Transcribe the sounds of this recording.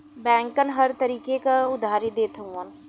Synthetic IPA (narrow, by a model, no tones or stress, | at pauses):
bɛ̃ːŋkənɦɐɾt̪əɾiːkekaʊd̪ʱaːɾid̪eːt̪ʰɐũən